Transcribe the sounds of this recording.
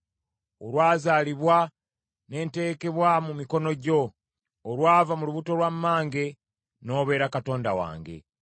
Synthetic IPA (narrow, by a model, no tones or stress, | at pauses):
olwaːzaːliβwa | ne̞ːnte̞ke̞βwamumiko̞no̞ɟo̞ː | lwaːvamuluβuto̞lwamːaːŋɡe̞ | no̞ːβe̞ːɾakato̞ːndawa̰ːŋɡe̞̰